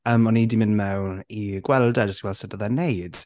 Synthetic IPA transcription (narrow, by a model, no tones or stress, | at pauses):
əːmɔnidɪmɪnmɛwiɡ̥wɛlˠdad͡ʒəstɡwɛlˠsədəðanejd̥